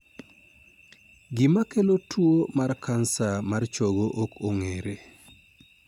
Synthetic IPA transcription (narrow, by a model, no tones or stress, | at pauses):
ɡɪmakelotʰwomarkʰansamart͡ʃoɡoʔokʰoŋeɾe